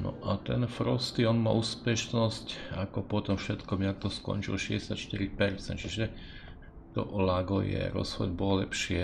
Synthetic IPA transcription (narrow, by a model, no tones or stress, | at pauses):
nɔ̰ʔat̪ɛnfɾɔst̪iɔnma̰ʔuːspɛʃnɔscakɔpɔt̪ɔmfʃɛt̪kɔmiakt̪ɔskɔ̰nt͡ʃilʃɛɟɛsatʃt̪iɾipɛɾt͡sɛ̰nt̪t͡ʃiʒɛ | t̪ɔ̰laɡɔ̰jɛ̰ɾɔ̰sxɔd̪bɔlɔlɛpʃɪɛ